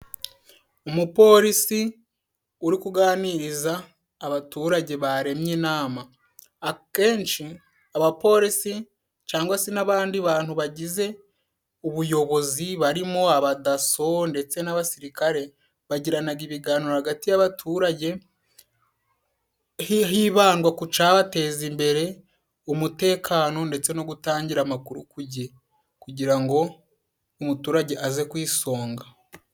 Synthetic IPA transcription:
umupo̞ːɾisi | uɾikuɡaːniɾizaː | βatuːɾaɟe̞βaɾe̞mjinaːmaː | ke̞ːnt͡ʃi | aβapo̞ɾisi | t͡ʃaːŋɡwasenaβaːndiβaːn̥huβaɟize̞ | uβujo̞βo̞ziβaɾimo̞aβadaso̞nde̞t͡se̞naβasiɾikaɾe̞ | βaɟiɾanaɡiβiɡaːniɾohaɡatijaβatʰuːɾaɟe̞ | ɦiːβaːŋɡwakut͡ʃaβate̞ːzimbe̞ɾe̞ | umute̞ːkʰaːno̞nde̞t͡se̞no̞ɡutaːɲɟiɾamakuɾukuɟe | kuɟiɾaŋɡo̞ | umutuːɾaɟe̞ʔaze̞kwiːso̞ːŋɡa

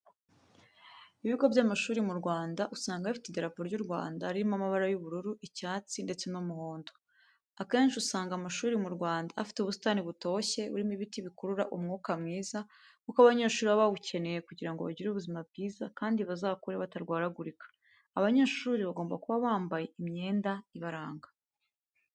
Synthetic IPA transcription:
iβiɡo̞bjamaʃuːɾimuɾɡwaːndaʔusaːŋɡaifi̥tedeɾapoɾɟuɾɡwa̰ːndaːɾiɾimamaβaɾajuβuɾuɾuʔicaːt͡sinde̞t͡se̞nomuhoːndo | ake̞ːnʃiusaːŋɡamaʃuːɾimuɾɡwaːnda̰ːfi̥teuβusi̥taːniβuto̞çe̞ṵɾimiβitiβikuɾuɾa̰ʔumŋuːkamŋiːza | kukaβaβaɲe̞ːʃuːɾiβaβaβucʰe̞ne̞je̞kuɟiɾaŋɡo̞βa̰ɟiɾuβuzimabɟiːzakaːndiβazaːkuɾeβataɾɡwaːɾaɡuɾikḁː | βaɲe̞ːʃuːɾiβaɡo̞ːmbakuβaβaːmbaje̞imɲe̞ːndaiβaɾaːŋɡḁ

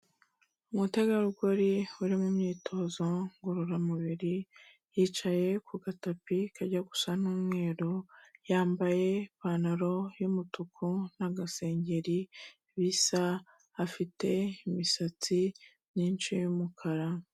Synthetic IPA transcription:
umutaɡaɾuɡoɾiuɾimumɲiːtʰo̞ːzoŋɡuɾuɾamuβiɾi | jiːt͡ʃaje̞kʰuɡatapikʰaɾɟaɡu̥sanuːmŋe̞ːɾojaːmbaje̞paːnaɾo̞jumutukʰunaɡase̞ːɲɟeɾi | βisaː | fite̞imisat͡si | niːnt͡ʃijumukʰaɾa

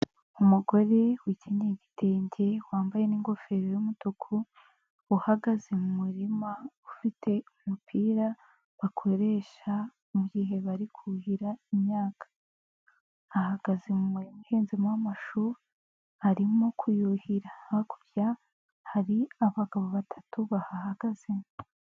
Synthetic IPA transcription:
umuɡo̞ɾe̞wiciɲeɟitʰe̞ːɲɟe̞waːmbaje̞niːŋɡo̞fe̞ɾojumutokʰu | uhaɡazemumuɾimaufitʰe̞umupʰiːɾa | βakʰo̞ɾe̞ʃa | muɡiɦe̞βaɾikʰuhiɾaimɲaːkʰḁ | haɡ̥azemumuɾimuheːnzimawamaʃuɾu | haɾimokʰujuhiɾaaku̥ɾja | haɾiaβaɡaβoβatʰḁtuβahahaɡ̥azem

